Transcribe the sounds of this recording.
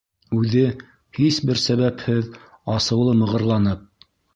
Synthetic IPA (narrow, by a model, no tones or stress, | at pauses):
ʉðɘ | hisbɘɾsæβæphɘð | ɑsɤ̆wlˠɤmɤ̆ʁɤ̆ɾlˠɑnɤp̚